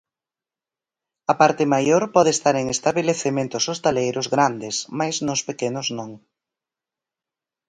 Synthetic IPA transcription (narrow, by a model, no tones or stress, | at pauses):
ɐpaɾt̪ɪmajoɾpɔðest̪aɾeŋest̪aβeleθemẽnt̪ʊsost̪alejɾʊzɣɾand̪ɪsmajznʊspekenʊznõŋ